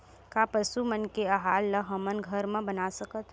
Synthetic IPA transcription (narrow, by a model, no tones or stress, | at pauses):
kapəʃumənkeɐɦaːlːəɦəmənɡʱəɾmẽbɐnasəkət̪ʰ